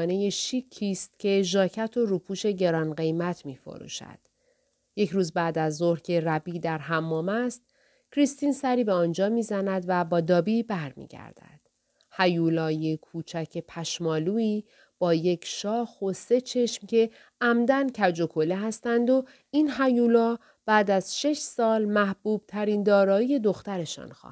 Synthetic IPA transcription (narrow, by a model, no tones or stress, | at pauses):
neje̞ʃicʰːiːst̪̚cʰe̞ʒɒːcʰæt̪ʰo̞ɾuːpʰuːʃe̞ɟe̞ɾɒːnɢe̞jmæt̪ʰmiːfo̞̰ɾṵːʃæ̰d̪̥ | je̞cʰɾuːzbæːd̪æzːoɾhcʰe̞ræbiːd̪æɾɦæmːɒːmæst̪̚ | cʰɾist̪iːnsæɾiːbeɒːnd͡ʒɒːmiːzænæd̪væbɒːd̪ɒːbibæɾmḭːɟæ̰ɾd̪̥æ̰d̪̥ | hæjuːlɒːjekʰuːt͡ʃʰæcʰe̞pʰæʃmɒːluːiː | b̥ɒːje̞cʰʃɒːxose̞t͡ʃʰe̞ʃmcʰe̞ | æmd̪æncʰæd͡ʒo̞kʰo̞le̞ɦæst̪ænd̪o̞ | iːnɦæjuːlɒː | b̥æːd̪æz̥ʃe̞ʃsɒːlmæhb̥uːb̥̚t̪ʰæɾiːnd̪ɒːɾɒːije̞d̪oxt̪æɾe̞ʃɒ̰ːnxɒ̰ː